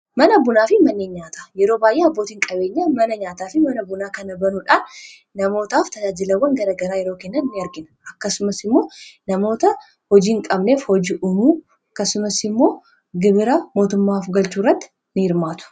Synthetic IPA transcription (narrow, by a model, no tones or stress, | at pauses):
mɐnɐbʊnaːfɪmɐnːeːɲɲaːt̪ḁːjɛɾoːbaːjʔeːɐbːo̞ːt̪iːŋkʼɐbe̞ːɲːɐmɐnɐɲaːt̪aːfɪmɐnɐbʊnaːkɐnɐbɐnuᶑaːnː | ɐmo̞ːt̪aːft̪ɐd͡ʒaːd͡ʒɪlɐwːɐŋɡɐɾaːɡɐɾaːjɛɾo̞ːkɛnːɐnnɪɐɾɡɪnɐ̥ʔɐkːɐsʊmɐsɪmːo̞ːnɐmo̞ːt̪ɐ | hɔd͡ʒiːŋkʼɐbne̞ːfhɔd͡ʒɪʔʊmuː | ɐkːɐsʊmɐsɪmːo̞ː | ɡɪbɪɾamo̞ːt̪ʊmːaːfɡɐlt͡ʃuːrːɐt̪ːɪ̥ | nɪɪɾmaːt̪ʊ̥